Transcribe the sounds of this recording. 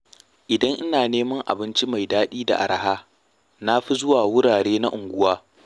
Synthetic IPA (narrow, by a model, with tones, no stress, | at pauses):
ʔɪ˨dɐ˦ŋʔɪ˦naː˨neː˦mɐ˦ŋʔa̰˨bɪ˦nt͡ʃi˦ma˨jdaː˦ɗiː˦da̰˨ʔa̰˨ɾa˨haː˦ | na˦ɸi˦zʊ˦waː˨wʊ˦ɽaː˨ɽeː˦na˦ʔʊ˨ŋɡʷʊ˦waː˦